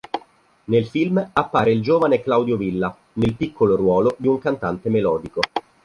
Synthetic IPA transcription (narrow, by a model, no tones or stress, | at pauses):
nelfilmapːaːɾeild͡ʒoːvaneklawd̪jovilːa | nelpikːoloɾwɔːlod̪iuŋkant̪ant̪emelɔːd̪iko